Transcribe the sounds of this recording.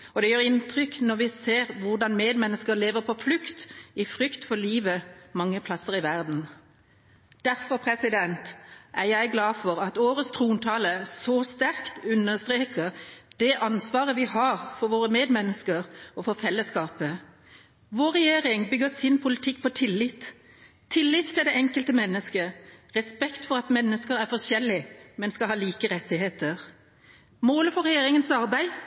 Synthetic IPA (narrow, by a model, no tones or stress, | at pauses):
ɔd̪ɛjøːʁɪnt̪ʰʁʏkːnɔʁʋɪseːʁʋʊʁd̪ɑnmeːd̪mɛnːəskəɾleːʋəʁpʰɔflʉkt̪ɪfɾʏkt̪fɔʁliːʋəmɑŋːəpʰlɑsəʁɪʋæʁd̪n̩ | d̪̥æɾfɔɾpʰʁɛsɪd̪ɛnt̪ʔæʁjæɪɡlɑːfɔʁɑt̪oːɾəst̪ʰʁuːnt̪ʰɑːləsɔst̪æʁkt̪ʉnːəʁst̪ʁeːkəʁd̪̥ɛʔɑnsʋɑːʁəʋɪhɑʁfɔɾʋoːɾəmeːd̪mɛnːəskəʁɔfɔɾfɛlːəskɑːpə | ʋoːɾɛjeːɾɪŋbʏɡəsɪnpʰʊlɪt̪ʰɪkːpʰɔt̪ʰɪlːɪt̪ʰː | ɪlːɪt̪t̪ʰːɪld̪ɛʔɛŋkəlt̪əmɛnːəskəʁɛspɛkt̪fɔʁɑt̪mɛnːəskəɾæɾfɔʂjɛlːɪmɛnskɑlhɑːliːkəɾɛt̪ːɪheːt̪əʁ | moːləfɔɾʁɛjeːɾɪŋənsɑɾbæɪ